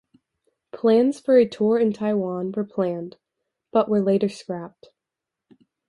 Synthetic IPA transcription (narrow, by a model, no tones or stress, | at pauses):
pʰl̥æ̃nz̥fə˞ɨtʰɔɹɨ̃ntʰaɪwɑ̃nwə˞pʰl̥æ̃nd | b̥ʌʔwʔə˞leɪɾə˞skɹæp̚t